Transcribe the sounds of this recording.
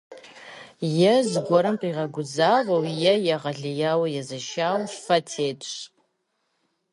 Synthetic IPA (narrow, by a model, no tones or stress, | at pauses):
jɛzɡʷɔɾɨmqʼiʁɐɡʷʊzaːvɐwjɛjɐʁɐɮɪjaːwɐjɛzɐʃaːwfɐtʰeːtʰʼɕ